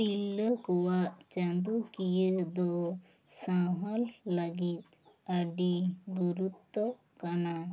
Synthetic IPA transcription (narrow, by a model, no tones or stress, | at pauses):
ilːəkɔwat͡ʃɐ̃nd̪ukijəd̪ɔ | sãɦɔlːaɡit̪̚ | aɖiɡuɾut̪ːɔ | kana